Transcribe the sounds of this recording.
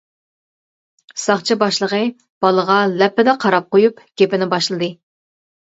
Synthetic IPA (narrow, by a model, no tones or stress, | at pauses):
sɑχt͡ʃʰibɑʃlˠəʁə | b̥ɑlˠəʁɑlɛpːɪd̪ɛqʰɑɾɑp̚qojupɡ̥ʲepɪnɪbɑʃlˠɨd̪ɨ